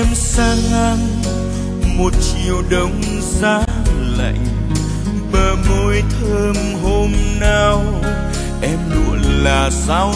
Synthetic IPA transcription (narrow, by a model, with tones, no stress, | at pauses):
ɛ˧msaː˧ŋa˧ŋ | mo˨˩t̚t͡ɕi˨˩əwɗə˨˦wŋ͡m | zaː˧˦ | la̰˧˨jŋ̟ | ɓəː˨˩mo˧˦jt̪ʰəː˧m | ɦo˧mna˧w | ʔɛ˧mnṵ˧˨ənlaː˨˩saː˧w